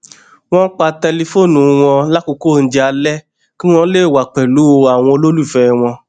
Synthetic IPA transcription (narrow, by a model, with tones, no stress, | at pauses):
w̃ɔ̃˦k͡pa˧tɛ˧li˧fo˦˨nũ˨˧w̃ɔ̃˧la˦ko˧ko˦˨n̩˦d͡ʒɛ˧a˧lɛ˦ | kĩ˦w̃ɔ̃˦le˦˨wa˨k͡pɛ˨lu˨˦o˧a˨w̃ɔ̃˧lo˦lu˦i˨fɛ˧w̃ɔ̃˧